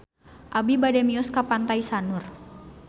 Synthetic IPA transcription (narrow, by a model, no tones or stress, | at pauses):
ʔabibadɛmiɔskapant̪aisanur